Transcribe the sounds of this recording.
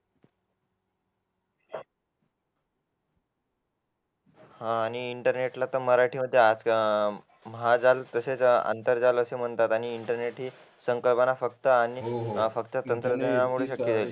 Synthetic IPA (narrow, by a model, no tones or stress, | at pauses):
hãːñiːɳʈəɾneʈlat̪əməɾaʈʰiːməd̪ʱːjead͡z | məɦad͡zalt̪əset͡sa̰nt̪əɾd͡zaləsem̤əɳt̪at̪aɽ̃iːɳʈəɾneʈɦiː | səŋkəlpanafəkt̪əañifəkt̪at̪ənt̪ɾəd̪enamuɽ̤eɕəkːet̪el